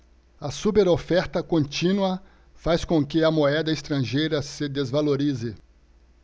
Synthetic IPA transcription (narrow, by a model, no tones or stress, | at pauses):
ɐsupeɾofɛɾt̪ɐkõnt͡ʃĩnwɐ | faskõkɪɐmoɛd̪ɐest̪ɾɐ̃ʒejɾɐsɪd̪ezvaloɾizɪ